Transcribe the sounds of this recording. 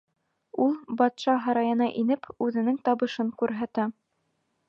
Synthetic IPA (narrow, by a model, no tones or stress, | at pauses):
ulˠbɑt̪ʃɑɦɑɾɑjɤ̆nɑʔinɘpʉðɘ̆nɘŋt̪ɑβɤ̆ʃɤŋkʉɾɦæt̪æ